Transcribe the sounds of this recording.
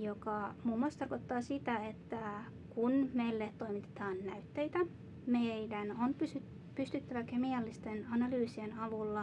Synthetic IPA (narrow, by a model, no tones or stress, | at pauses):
jokɑmuːmːuɑˑst̪ɑrkot̪ːɑːsit̪æet̪ːæ | kunmejlːett̪o̞jmit̪e̥t̪ɑːnːæyt̪ːe̞jt̪æ | medænonpysy | pyst̪yt̪ːæʋækemiɑlːist̪e̞nɑnɑlyːsienɑʋulːɑ